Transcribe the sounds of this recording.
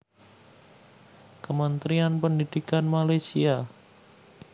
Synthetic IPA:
kəmənt̪ɾianpəndid̥ikanmalasia

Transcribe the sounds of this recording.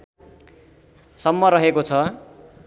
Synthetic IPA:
sʌmːʌɾʌɦekot͡sʰʌ

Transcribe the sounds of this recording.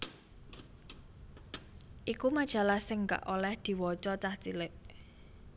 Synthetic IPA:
ʔikumad̥ʒ̥a̤lahsɪŋka̰ʔolɛhd̪̥i̤wɔt͡ʃɔt͡ʃaht͡ʃilɪʔ

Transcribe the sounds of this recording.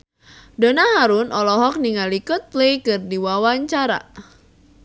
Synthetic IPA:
donaɦaɾʊnʔɔlɔɦɔk̚niŋalikʊt̪̚lejkɨrdiwawaɲt͡ʃaɾa̰

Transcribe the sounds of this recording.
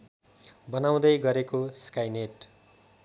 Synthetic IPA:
bʌnaw̃d̪ʌjɡʌɾekoskajneʈ

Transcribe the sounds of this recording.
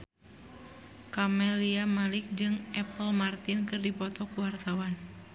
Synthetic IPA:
kamɛliamalɪk̚d͡ʒɨŋɛpəlmart̪inkɨrdipɔt̪ɔkuwart̪awan

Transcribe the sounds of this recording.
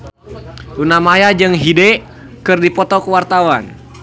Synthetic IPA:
unamajad͡ʒɨŋɦidɛ | kɨrdipɔt̪ɔkəwart̪awan

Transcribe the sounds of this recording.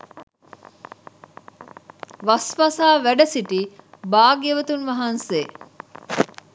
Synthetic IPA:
ʋɐsʋasaːʋæɖɐsiʈibaːɡeʋət̪unʋɐɦɐnseː

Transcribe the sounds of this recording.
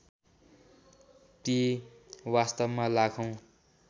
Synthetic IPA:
t̪i | wast̪ʌbmalakʰʌw̃

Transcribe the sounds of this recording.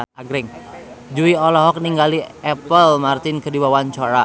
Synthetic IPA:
aɡɾɛŋd͡ʒuiɔlɔɦɔk̚niŋɡaliɛpəlmart̪ɪnkədibawant͡ʃɔɾa

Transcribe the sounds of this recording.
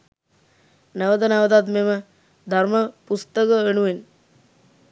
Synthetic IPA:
nəʋəd̪ənəʋət̪at̪memə | d̪ʱarməpust̪əkəeɳuʋen

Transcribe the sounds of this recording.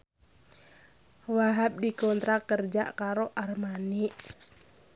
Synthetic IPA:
waɦap̚dikɔnt̪ɾakərd͡ʒa̰ʔkaɾoʔarmaniʔ

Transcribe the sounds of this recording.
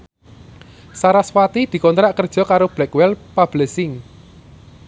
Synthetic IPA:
saɾaswat̪id̪̥i̤kɔnt̪ɾaʔkərd̥ʒ̥ɔ̤kaɾob̥lɛkwɛlpab̥lɛsɪŋ

